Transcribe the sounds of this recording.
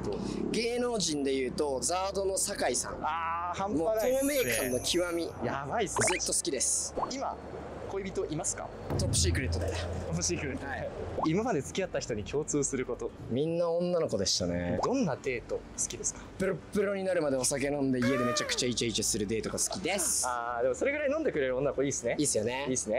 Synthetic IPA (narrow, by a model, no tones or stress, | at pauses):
t̪ɡe̞ːno̞ːʑĩnd̪e̞jɯ̟ːt̪o̞d͡zaːd̪o̞nosakaisã̰ŋahãmpanaoːme̞ːkãnːo̞kʲʰiβamʲijabaisɨzɨt̪ːo̞sɨ̥kʲid̪e̞sɨ̥ima̰ | koibʲit̪o̞ʔimasɨ̥ka̰ | t̪opːɯ̟ɕiːkɯ̟ɾet̪ːod̪eop̟ːɕiːkɯ̟ɾet̪ːimamad̪e̞t͡sɨ̥kʲiat̪ːaçʲi̥t̪o̞ɲ̟ikʲʰo̞ːt͡sɨːsɨɾɯ̟ko̞t̪o̞mʲĩnːaõ̞nːano̞ko̞d̪e̞ɕi̥t̪anḛd̪õ̞nːad̪e̞ːt̪o̞ | sɨ̥kʲid̪e̞sɨ̥kḁpɯ̟ɾopːɯ̟ɾo̞ɲ̟inaɾɯ̟mad̪e̞o̞sak̬e̞nõ̞nd̪e̞ie̞d̪e̞met͡ɕakɯ̥t͡ɕait͡ɕait͡ɕasɨɾɯ̟d̪e̞ːt̪oɡasɨ̥kʲid̪e̞saːd̪e̞mo̞soɾe̞ɡɯɾainõnd̪e̞kɯ̟ɾe̞ɾɯo̞nːanokoiːsɨne̞iːsɨjo̞ne̞iːsɨne̞